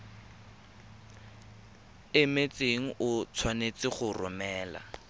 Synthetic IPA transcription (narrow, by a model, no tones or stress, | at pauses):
ɪmet͡seŋ̩ʔʊt͡sʰwanet͡sɪχʊrʊ̰mɛːla̰